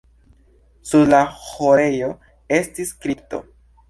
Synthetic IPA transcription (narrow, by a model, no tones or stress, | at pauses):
suɾlahoɾe̞jo̞ | e̞stiskɾip̚to̞̰